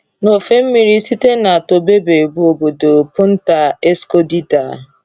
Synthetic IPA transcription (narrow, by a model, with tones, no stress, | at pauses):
no˨fe˦m̩˦mi˨ɾi˦si˦te˦na˨to˨be˦be˨bo˨bo˨do˨pʊ˦n̩˦ta˨e˦sko˦di˦da˨